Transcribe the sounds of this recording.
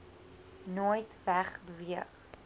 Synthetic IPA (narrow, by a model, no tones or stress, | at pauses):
nojtvæχbəviəχ